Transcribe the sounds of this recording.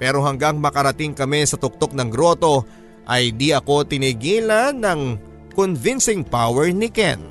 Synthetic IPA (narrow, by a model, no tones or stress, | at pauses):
pɛɾo̞ɦɐŋɡaŋmɐkɐɾɐt̪iŋkɐmɛsɐt̪ʊk̚t̪o̞k̚nɐŋɡɾo̞t̪o̞ | ʔɐjd̪iʔɐko̞t̪ɪniɡiːlɐnːɐŋ | konvinsɪŋpawɛɹnɪkɛ̰n